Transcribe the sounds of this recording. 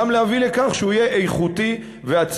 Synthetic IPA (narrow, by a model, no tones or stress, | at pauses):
amlehavile̞kaχʃeuijeʔejχut̪i | veat͡s